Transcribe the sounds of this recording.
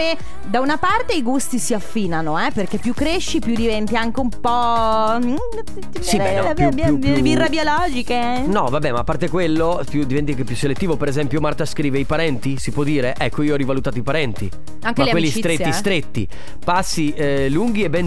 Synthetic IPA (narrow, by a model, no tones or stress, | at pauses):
e | d̪aunapart̪eiɡust̪isiafːiːnanoɛperk̟epːjukːɾeʃːipjud̪ivɛnt̪iaŋk̟eumpɔ | t̪isi | jubirːabjolɔːd͡ʒike | nɔvabɛmaːpːart̪ekwelːo | pjud̪ivɛnt̪iaŋkep̬ːjuselet̪ːiːvopeɾezɛmpjomart̪askɾiːveipaɾɛnt̪isipwɔd̪ːiːɾeʔɛkːoiːoɔɾivalut̪aːt̪oipaɾɛnt̪ḭ | aŋkeleakwelːisit̪ɾetːj̪ist̪ɾet̪ːḭ | pasːi | luŋɡ̟iebɛn